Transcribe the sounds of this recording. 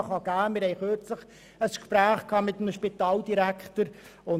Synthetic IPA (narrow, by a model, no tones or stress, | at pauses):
χɑɡ̥æːmɪɾhɛɪχøːɾt͡sləχ | əskʃpɾæːχkʰɑːmɪt̪əmʃpɪt̪ɑːld̥iɾækχt̪əɾʊ